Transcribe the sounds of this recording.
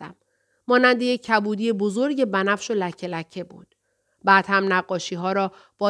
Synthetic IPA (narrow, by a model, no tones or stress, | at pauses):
æ̰mː | ɒːnænd̪eje̞cʰːæbuːd̪iːje̞bo̞zo̞ɾɟe̞bænæfʃo̞læcʰːe̞læcʰːe̞bṵːd̪̥ | bæːd̪̥hæmnæɢːɒːʃiːɦɒːɾɒː | b̥ɒː